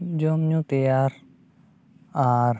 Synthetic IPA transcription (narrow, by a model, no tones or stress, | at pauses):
d͡ʒomɲũt̪eaɾ | aɾ